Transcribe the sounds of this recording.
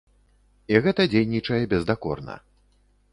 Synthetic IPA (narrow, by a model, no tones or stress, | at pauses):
iɣɛt̪ɐd͡zʲejnʲit͡ʂɐjɛbʲɛzd̪akɔ̰rnɐ̰